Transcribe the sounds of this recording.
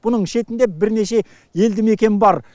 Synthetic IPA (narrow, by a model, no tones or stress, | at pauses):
bʊnəɴʃe̞t̪ɪnd̪e̞bɪɾne̞ʃe̞ | je̞ld̪ɪme̞kʲe̞nbɑɾ